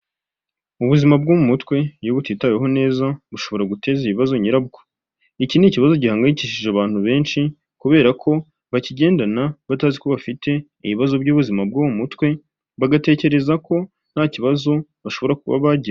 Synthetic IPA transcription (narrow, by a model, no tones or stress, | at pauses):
uβuzimab̚ɡomumutkwe̞joβutiːtaweɦo̞ne̞ːzaβuʃo̞βo̞ɾaɡute̞ːziβiβazo̞ɲiɾabɡo̥ | iciniciβazo̞ɟihaːŋɡaiciʃiʒeaβaːn̥huβe̞ːnʃi | kuβe̞ːɾakʰo̞ | βaciɟe̞ːndanaβataːziko̞βafite̞ | iβiβazo̞bɟuːβuzimab̚ɡomumutkwe̞ | βaɡate̞ːce̞ɾe̞zako̞ | n̥haciβazo̞βaʃo̞βo̞ɾakuβa̰βaɟiɾa